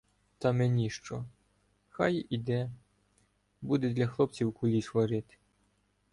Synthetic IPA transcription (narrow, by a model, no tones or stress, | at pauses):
t̪ɐmenʲiʃt͡ʃɔ | xɑjid̪ɛ | bud̪ɛd̪lʲɐxlˠɔp̚t͡sʲiwkʊlʲisʋɐɾɪt̪ɪ̥